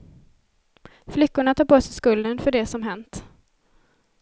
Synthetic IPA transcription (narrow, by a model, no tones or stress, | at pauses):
flʏkːʊɳat̪ʰɑːɾpʰoːsɛjskɵld̪ənfœɖɛsɔmɦɛnt̪